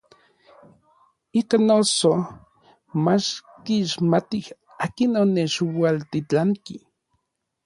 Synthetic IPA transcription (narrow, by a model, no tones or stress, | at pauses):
ikanoso | mat͡ʃkiʃmat̪ih | aːkinonet͡ʃwalt̪it͡ɬaŋki